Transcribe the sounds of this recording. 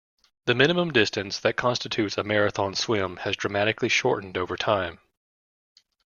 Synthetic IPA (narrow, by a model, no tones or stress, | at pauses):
ðɨmɪ̃ñɨmə̃mdɪstɨ̃nsðɨt̚kʰɑ̃nstɨtʰʉtsəmɛɹɨθɑ̃nswɪ̃mɨzdɹɨmæɾɨkliʃɔɹʔn̩doʊvə˞tʰãɪ̃m